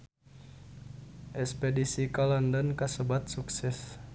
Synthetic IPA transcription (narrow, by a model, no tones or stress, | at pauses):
ʔɛspedisikalɔndɔnkəsəbat̪̚suksɛs